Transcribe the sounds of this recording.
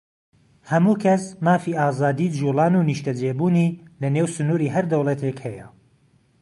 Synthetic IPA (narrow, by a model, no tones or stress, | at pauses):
hɐmuːkʰɐsmaːfiːʔaːzaːd̪iːd͡ʒuːlˠɑːnuːniʃt̪ɐd͡ʒeːbuːniːlɐnewsʊnuːɾiːɦɐɾd̪ɐwlˠɐt̪ʰekhɛjɐ̰